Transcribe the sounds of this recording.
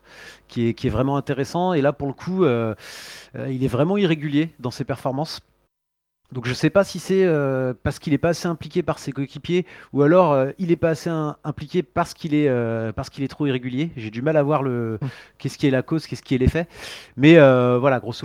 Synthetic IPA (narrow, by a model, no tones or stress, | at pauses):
kʲiɛkʲiɛvʁɛmɑ̃ɛ̃t̪eʁesɑ̃elapuʁləkʰuø | ø̰ilɛvʁɛmɑ̃iʁeɡʲyljed̪ɑ̃sepɛʁfɔʁmɑ̃s | d̪ɔ̃kʒəsɛpasisɛøpaʁsə̥kilɛpaːseɛ̃plikʲepaʁsekoekʲipjeualɔʁøilɛpaːseɛ̃ɛ̃plikʲepaʁsə̥kʲilɛøpaʁsə̥kilɛt̪χoiʁeɡʲyljeʒed̪ymalavwaʁləkʲɛskʲiɛlakozkʲɛsə̥kʲiɛlefɛmɛøvwalaɡʁos